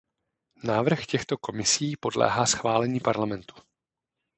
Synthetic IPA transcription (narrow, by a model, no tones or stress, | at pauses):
naːvr̩xcɛxt̪o̞ko̞mɪsiːpo̞dlɛ̰ːɦaːsxvaːlɛɲiːpaɾlamɛnt̪u̥